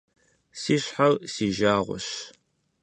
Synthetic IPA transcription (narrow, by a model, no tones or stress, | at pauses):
siːɕħalsiːʒaːʁʷʊ̰ɕ